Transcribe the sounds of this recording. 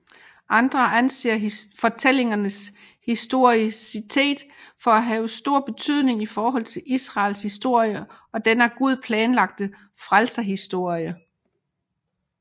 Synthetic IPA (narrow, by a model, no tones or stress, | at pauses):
ʔɑ̈nd̥ʁɐʔænse̝̰ːɐfɒ̽t͡sʰel̰e̝ŋɐnəs | hisd̥o̝ɐ̰isit͡sʰe̝̰ːd̥fɒ̽æɦɛːʊsd̥o̝ɐ̰b̥e̝t͡sʰyð̰ˠne̝ŋifɒːɦɒ̽l̰t͡sʰe̝lʔisʁɑ̈ːlshisd̥o̝ɐ̰jə | ɒ̽d̥enæɐɡ̥uð̞ˠpʰlɛːnlɑ̈ɡ̥̚d̥ə | fʁalsɐɦisd̥o̝ɐ̰jə